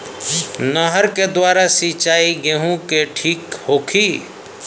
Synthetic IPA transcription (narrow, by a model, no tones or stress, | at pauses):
nəɦəɾked̪waːɾasit͡ʃaːiɡeɦũkeʈʰiːkhoːkʰiː